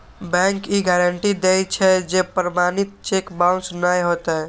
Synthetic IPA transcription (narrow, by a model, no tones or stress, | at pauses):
bɛ̃ŋkiɡɛɾəɳʈid̪ejt͡ʃʰɛd͡ʒepɾəmanit̪̚t͡ʃekbãwnsnəjɦot̪ɛ